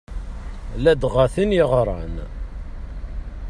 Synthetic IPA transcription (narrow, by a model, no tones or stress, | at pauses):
læd̪ʁaθinjɪʁɾˤə̰n